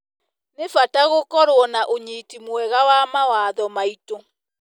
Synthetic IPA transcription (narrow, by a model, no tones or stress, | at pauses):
nefataɣokɔɾwɔnaʔoɲiːtimwɛɣawamawaðɔmaito